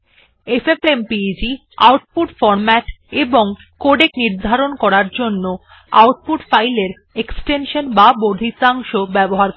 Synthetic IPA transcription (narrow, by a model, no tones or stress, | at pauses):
efefempid͡ʑi | a̰wʈ̚puʈfɔɾmɛʈeboŋ | koɖekniɾd̪ʱaɾonkɔɾaɾd͡ʑonːo | a̰wʈ̚puʈfajleɾ | eksʈenʃonbabod̪ʱit̪aŋʃobɛboɦaɾ